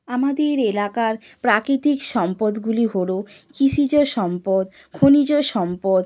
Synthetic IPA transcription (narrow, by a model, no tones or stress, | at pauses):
amad̪eɾelakaɾ | pɾakɾit̪ikʃɔmpod̪ɡuliɦoɽo | kiʃid͡ʑoʃɔmpod̪ | kʰonid͡ʑoʃɔmpod̪